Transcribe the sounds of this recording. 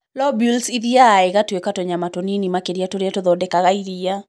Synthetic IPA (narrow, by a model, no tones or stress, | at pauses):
lɔbilsiɾiaːɛɣatwekatɔɲamatoninimakeɾjatoɾiatɔðɔdɛkaɣaiɾija